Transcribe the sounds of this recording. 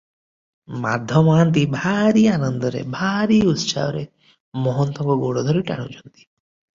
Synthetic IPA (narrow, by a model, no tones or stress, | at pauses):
ma̰d̪ʱjɔmaːnt̪̬ibʱaɾianɔnd̪ɔɾḛbʱaɾiut̪sa̰ɔɾe | mɔɦɔnt̪ɔɡɔɡoɽɔd̪ʱɔɾiʈa̰ɽ̃ṵt͡ʃʰɔnt̪i̥